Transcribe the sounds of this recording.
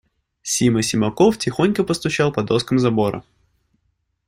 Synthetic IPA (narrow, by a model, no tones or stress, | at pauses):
sʲiməsʲɪmɐkoftʲɪxonʲkəpəst̪ʊt͡ɕalˠpɐd̪oskəmzɐbo̞ɾə̰